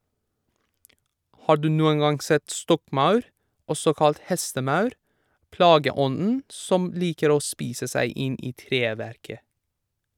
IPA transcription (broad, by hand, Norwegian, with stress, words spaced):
ˈhɑː ˈɖʉː ˈnuːəŋ ˈɡɑŋ ˈsɛt ˈstɔkˌmɑʉɾ ˈɔsɔ ˈkɑlt ˈhɛstəˌmɑʉɾ ˈplɑːɡəˌɔnn̩ ˈsɔm ˈliːkəɾ ˈoː ˈspiːsə ˈsæɪ ˈɪn ˈiː ˈtɾeːˌʋæɾkə